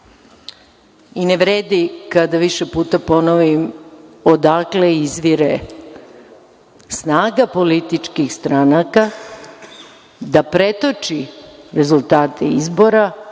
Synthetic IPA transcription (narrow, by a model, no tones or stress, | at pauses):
ineʋɾeːd̪ikad̪aʋiʃepuːt̪apo̞noʋimo̞d̪akleizʋiɾe | snaːɡapo̞lit̪it͡ʂkixst̪ɾanaka | d̪apɾe̞t̪o̞t͡ʃiɾe̞zult̪aːt̪ʰeizbo̞ɾa